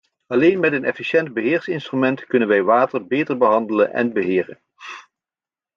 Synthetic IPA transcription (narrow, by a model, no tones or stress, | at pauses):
ɑlejnmɛtənɛ̰fiʃɛnd̚bəɦɪːɹsɪnstrymɛntkɵnənʋɛjʋaːtəɹbejtəɹbəɦɑndələ̰nʔɛ̰nbəɦɪːrə̰n